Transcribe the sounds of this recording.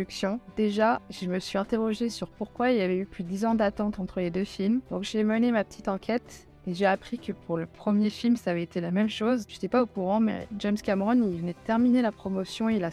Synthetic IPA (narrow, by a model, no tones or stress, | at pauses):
yksjɔ̃d̪eʒaʒ̥əməsɥiɛ̃t̪eʁɔʒesyʁpuʁkwailjavɛyplyd̪əd̪izɑ̃d̪at̪ɑ̃t̪ɑ̃t̪χəled̪øfilmd̪̥ɔ̃kʒemənemapə̥t̪ʰit̪ɑ̃kʲʰɛt̪ | eʒeapχikəpʰuʁləpχəmjefilmsaːvɛet̪elamɛmʃozʒ̥et̪ɛpaokuʁɑ̃mɛ̰ʒɛmskʲamʁɔnilvənɛd̪ət̪ɛʁminelapχɔmɔsjɔ̃eila